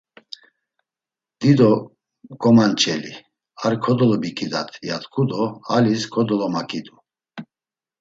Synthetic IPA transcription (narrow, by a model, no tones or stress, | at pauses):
d̪̥id̪ɔ | kʼɔmant͡ʃʰʼɛlḭ | aɾkʰɔd̪ɔlɔbikʰʼid̪at̪ʰjat̪kʰʼud̪ɔaliskʰɔd̪ɔlɔmakʼid̪u